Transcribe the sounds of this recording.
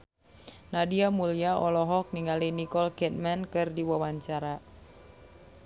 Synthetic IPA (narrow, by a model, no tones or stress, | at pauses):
nadiamuliaɔlɔɦɔk̚niŋalinikɔlkɛt̪̚mankɨrdiwawaɲt͡ʃaɾa